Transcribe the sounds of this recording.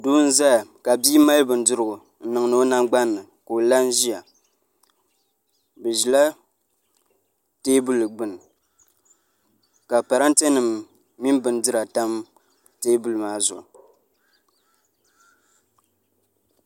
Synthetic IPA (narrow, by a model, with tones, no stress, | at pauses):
duː˦n̩˦za˦˨ka˨biː˦ma˦lbɨ˨n˦dɨ˦ɾɨ˨ɡʊ˨ | n̩˨˦nɨ˨ŋ˨nɨ˦o˦na˦mɡ͡ba˦nːɨ˨ | ko˨la˦n˦ʒi˦ja˨ | bɨ˨ʒi˨la˦ | teː˦bu˦lɡ͡bɨ˨n˨ | ka˨pa˨ɾa˦n̩˦te˦nɨ˨mː | i˦n˦bɨ˨n˦dɨ˦ɾa˨ta˦m | teː˦bu˨lmaː˦zʊ̰˨ʔ